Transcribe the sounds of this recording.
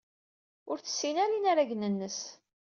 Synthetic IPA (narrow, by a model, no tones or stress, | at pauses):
ʊɾθə̥sːinaɾinaɾaʝnənːəs